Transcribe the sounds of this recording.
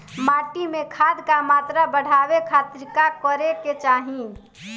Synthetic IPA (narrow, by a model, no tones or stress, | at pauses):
maːʈimekʰaːd̪kamaːt̪ɾabəɽ̤ʱaːwekʰat̪ɾɪkakəɾeket͡ʃaːɦĩ